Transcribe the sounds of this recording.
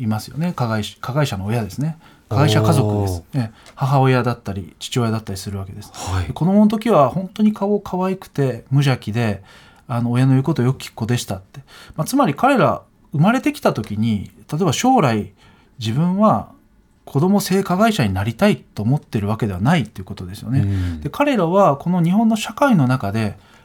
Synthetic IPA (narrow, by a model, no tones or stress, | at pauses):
imasɨjo̞̰ne̞kaɡaiɕkʰaɡaiɕano̞ːjad̪e̞sɨne̞ | kaɡaiɕakazo̞kɯ̟d̪esɨ̥ehaɦaojad̪at̪ːaɾʲḭt͡ɕi̥t͡ɕio̞jad̪at̪ːaɾisɨɾɯ̟βake̞d̪e̞sɨ̥d̪eko̞d̪o̞monot̪̬o̞kʲiβahõ̞nt̪o̞ɲ̟ikʰao̞kʰaβaikɯ̟̥t̪e̞mɯ̟ʑakʲid̪e̞ | ano̞ːjano̞jɯ̟ko̞t̪oːjo̞kɯ̟̥kʲi̥kːo̞d̪e̞ɕi̥t̪at̪ːe̞mat͡sɨmaɾʲikaɾe̞ɾa̰ | ɯ̟maɾe̞t̪e̞kʲi̥t̪at̪o̞kʲiɲ̟it̪ʰat̪o̞ebaɕo̞ːɾai | d͡ʑibɯ̟̃ɰ̃βa | kʰo̞d̪o̞mo̞se̞ːkaɡaiɕaɲ̟inaɾʲit̪ait̪ːo̞ːmo̞t̪ːeɾɯ̟β̞ake̞d̪e̞βanait̪ːe̞iɯ̟ko̞t̪o̞d̪e̞sɨjo̞̰ne̞d̪̥e̞kʰaɾe̞ɾaβako̞no̞ɲ̟iɦõ̞nːo̞ɕakaino̞nakad̪e̞